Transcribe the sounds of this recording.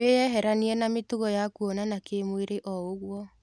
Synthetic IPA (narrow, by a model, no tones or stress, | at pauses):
ejɛɦɛɾaniɛnametoɣɔjakuɔnanakemweɾeʔɔoɣwɔ